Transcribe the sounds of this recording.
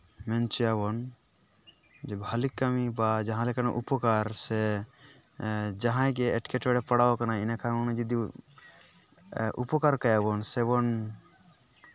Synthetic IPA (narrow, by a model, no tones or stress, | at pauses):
mɛnt͡ʃɔjaβɔn | d͡ʒɛbʱalikːamibad͡ʒãɦãlɛkanaʔupɔkaɾsɛ | d͡ʒaɦãjɡɛːʈkɛʈbɛɽɛpaɽawakanainakʰaɾnad͡ʒid̪i | ʔṵpɔkaɾkajabɔnsɛβɔn